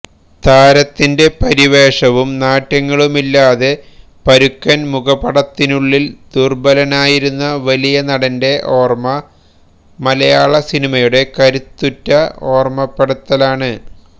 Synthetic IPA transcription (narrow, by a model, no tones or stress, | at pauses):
t̪aːɾɐt̪ːinde̞pɐɾiʋe̞ːʂɐʋumnaːtːɐŋːɐɭumilːaːðe̞ | pɐɾukːɐnmuɣɐpɐɽɐt̪ːinuɭːild̪urbɐlɐnaːjiɾunːɐʋɐlijɐnɐɽɐnde̞ʔoːrmɐ | mɐlɐjaːɭɐsinimɐjuɽe̞kɐɾut̪ːutːɐo̞ːrmɐpːeɽɐt̪ːɐlaːɳɨ